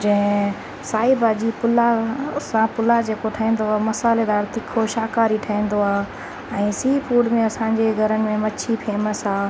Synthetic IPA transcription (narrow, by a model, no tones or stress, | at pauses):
d͡ʑɐ̃ɦɪ̃ | saːibad͡ʑipʊlasãpʊlad͡ʑeːkoʈʰɐɦĩːn̆d̪oaːemɐsaːled̪aːɾt̪ɪkʰoʃaːkaːɾiʈʰɐĩːn̆d̪oaː | ɛ̃ːsiːfʰuːɖmẽɐsãːɲd͡ʑeɡʱɐɾənɪ̆mẽmɐt͡ɕʰipʰeːməsɦaː